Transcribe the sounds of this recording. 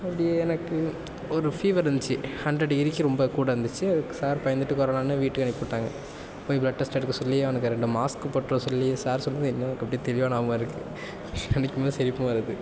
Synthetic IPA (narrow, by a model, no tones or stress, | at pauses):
ɐpːɐɽɪjeɛnɐkːɯ | ɔɾɯfiːʋɐɾɐnd̪t͡ʃːɯhɐɳdɾɐɽɪɾɪkʲːiɾɔmbɐkuːɽɐʋɾɐnd̪ɯt͡ʃːɯɐðɯkːɯ̥saːɾpɐjɐnd̪ɯʈːɯkɔɾɐlaːnːɯʋiːʈːɯkɐɳɪpːoːʈːaːŋɡɐ | pːoːblɐʈʈːɐsʈɐɾɯkːɯsɔlːiɔnɐkːɯɾɛɳɖɯmaːskɯpoːʈːɾɐ̃sɔlːisaːɾsɔnːɐðɯɪnːɐɐɐkːɐpːɐɽɪjt̪ɛɭɪʋaːnaːmːɪɾɯkːɯ | ɛnɐkːɯmeːðsɛɾɪpːɐ̃ʋɐɾɐðɯ